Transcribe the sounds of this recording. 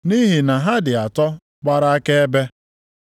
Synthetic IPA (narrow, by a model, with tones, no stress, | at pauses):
ni˦ɦi˨na˨ɦa˦dɪ˨a˨tɔ˦ | k͡pa˦ɾa˦a˦ke˦e˦be˦